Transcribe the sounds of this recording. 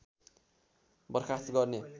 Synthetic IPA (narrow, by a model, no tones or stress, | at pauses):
bʌrkʰast̪ɡʌrne